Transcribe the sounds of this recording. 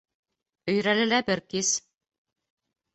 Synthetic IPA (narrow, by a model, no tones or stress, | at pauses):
ɵ̆jɾælɘ̆læbɘɾkis